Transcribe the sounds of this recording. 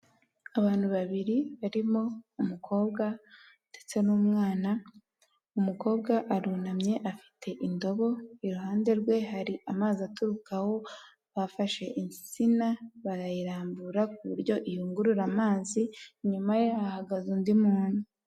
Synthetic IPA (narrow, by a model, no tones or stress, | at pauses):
aβaːn̥huβaβiɾiβaɾimo̞umukʰo̞ːbɡa | d̥et͡se̞nuːmŋaːna | umuko̞ːbɡaʔaɾunamɲe̞ʔafi̥tʰe̞ʔindo̞βo̞iɾuɦaːnde̞ɾɡwe̞ɦaɾiʔamaːziatuɾukaho̞ | βafaʃe̞ʔiɲi̥t͡sinaβaɾajiɾaːmbuɾakuβuɾɟo̞ʔijuːŋɡuɾuɾamaːziɲumajeaahaɡazundimuːnu